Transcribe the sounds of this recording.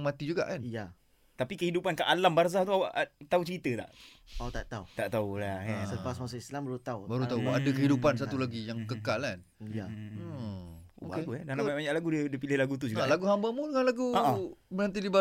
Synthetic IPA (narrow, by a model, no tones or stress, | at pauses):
ŋmat̪id͡ʒuɡa̰ʔkanja | t̪apikəhidupankaʔalambars̬aht̪uawaʔt̪aut͡ʃəɾit̪ət̪a̰ʔot̪aʔt̪aut̪aʔt̪aulaaəpasmasaislambaɾut̪aubaɾut̪auʔadakəɦidupans̬at̪ulaɡijaŋkəkalan | ja | o̰keɡuɛdanamaʔbaɲaʔlaɡudədəpilɪhlaɡut̪̬ud͡ʒuɡkɡaʔlaɡuɦambamudəŋanlaɡumənant̪iliba